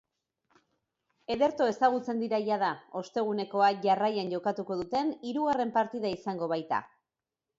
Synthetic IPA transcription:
e̞ðe̞ɾt̪o̞e̞saɣ̞ut͡se̞nd̪iɾajað̞ao̞st̪e̞ɣ̞une̞ko̞aʝarajanʝo̞kat̪uko̞ðut̪e̞niɾuɣare̞mpaɾt̪iðaisaŋɡo̞βajt̪a̰

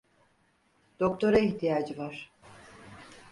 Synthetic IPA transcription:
d̪̥o̞kt̪ʰo̞ɾaiçt̪ijaːd͡ʒɯvaɾ̥

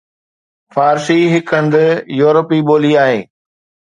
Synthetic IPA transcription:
faːɾsiɦɪkʰə̃nd̪ɪjuːɾəpiɓoːliaːɦeː

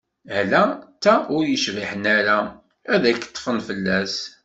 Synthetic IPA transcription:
hlæt̪ːæʊɾjəʃviħənæɾæ | æðækːə̥t̪ˤːfənfəlːæs

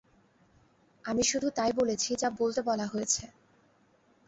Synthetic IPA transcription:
amiʃud̪ʱut̪ajbolet͡ɕʰid͡ʑabolt̪ebɔlaɦoet͡ɕʰe

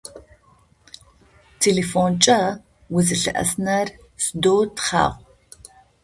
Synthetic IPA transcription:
tʰeːlefoːnt͡ʃʼɐ | wʊzɨɬɨ̰ʔɐ̰snɐr | sdoːtχa̰ːʁʷ

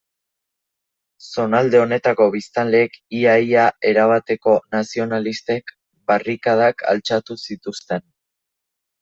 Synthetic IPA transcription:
so̞nald̪e̞o̞ne̞t̪ako̞β̞ist̪anle̞ːkiajae̞ɾaβ̞at̪e̞ko̞nasio̞nalist̪e̞k | barikað̞akʰa̰lt͡sat̪usit̪ust̪e̞n

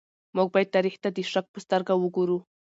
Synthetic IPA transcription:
muɡ̚bajd̪̚t̪aɾixt̪ad̪əʂak̚pəst̪əɾɡawəɡuɾu

